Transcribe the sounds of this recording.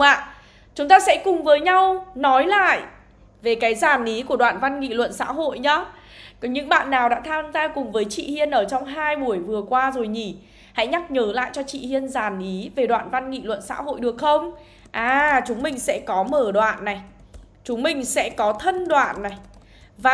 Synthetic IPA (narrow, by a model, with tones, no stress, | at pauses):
aː˧˨ | t͡ɕʊ˨˦ŋ͡mt̪aː˧sɛ̰˧˥kʊ˨˩ŋ͡mvəː˨˦jɲa˧wnɔ˨˦jla̰ː˧˨j | ve˨˩kaː˨˦jzaː˨˩nʔi˨˦ku˧˩əɗwa̰ː˧˨nva˧nŋḭ˧˨lwə̰˧˨nsa̰ː˧˥ɦo̰˧˨jɲaː˨˦ | kɔ˨˦ɲɨ̰˧˥ŋɓa̰ː˧˨nːaː˨˩wɗa̰ː˧˥t̪ʰaː˧zaː˧jkʊ˨˩ŋ͡mvəː˨˦jt͡ɕḭ˧˨hi˧ənʔəː˧˩t͡ɕɔ˧wŋ͡mɦaː˧jɓu˧˩əjvɨ˨˩əkwaː˧zo˨˩jɲi˧˩ | ha̰˧˥jɲa˦˥k̚ɲəː˨˦la̰ː˧˨jt͡ɕɔ˧t͡ɕḭ˧˨hi˧ənzaː˨˩nʔi˨˦ve˨˩ɗwa̰ː˧˨nva˧nŋḭ˧˨lwə̰˧˨nsa̰ː˧˥ɦo̰˧˨jɗɨ˨˩ək̚xə˧wŋ͡m | ʔaː˨˩t͡ɕʊ˨˦ŋ͡mmï˨˩ŋ̟sɛ̰˧˥kɔ˨˦məː˧˩ɗwa̰ː˧˨nːa˨˩j | t͡ɕʊ˨˦ŋ͡mmï˨˩ŋ̟sɛ̰˧˥kɔ˨˦t̪ʰə˧nɗwa̰ː˧˨nːa˨˩j | vaː˨